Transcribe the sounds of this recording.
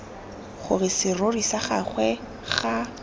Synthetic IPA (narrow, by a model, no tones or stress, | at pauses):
χʊrɪsɪrorisaχaχwɛ | χa